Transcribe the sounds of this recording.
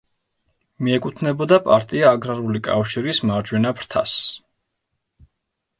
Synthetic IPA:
miɛkʼut̪ʰnɛbɔd̪apʼaɾt̪ʼiaːɡɾaɾulikʼa̰fʃiɾismaɾd͡ʒwɛnapʰɾt̪ʰa̰s

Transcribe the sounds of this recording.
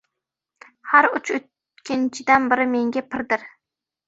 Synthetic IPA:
haɾʊt͡ʃʰʊ | kʲʰɪnt͡ʃʰɪd̪anbɪɾɪme̞ŋɡʲapʰɪɾd̪ɪɾ

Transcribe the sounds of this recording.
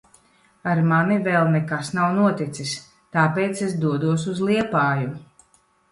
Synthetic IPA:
aɾmanivɛlˠnɛkasnawnuɔt̪it̪sis | t̪aːpeːt̪sesd̪uɔd̪uɔs̬uzlˠiɛpaːju

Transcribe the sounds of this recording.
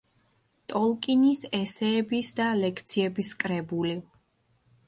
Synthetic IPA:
t̪ʼɔlˠkʼinisɛsɛːbisd̪alɛkʰt̪sʰiɛbiskʼɾɛbuli

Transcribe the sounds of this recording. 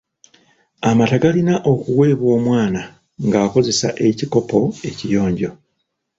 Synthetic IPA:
amataɡalinaʔo̞kuwe̞ːβwo̞ːmwaːna | ŋɡaːko̞ze̞sa̰ʔe̞ciko̞po̞e̞cijo̞ːɲɟo̞

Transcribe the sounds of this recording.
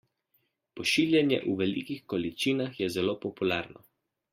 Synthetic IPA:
pɔʃiljɛnjɛ̰ʔuʋɛlḭkixkɔlit͡ʃiːnaxjɛzɛloːpɔpulaːɾnɔ̰

